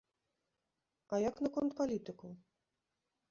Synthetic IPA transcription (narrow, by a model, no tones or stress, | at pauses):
ɐjaknɐkɔnt̪palʲit̪ɨku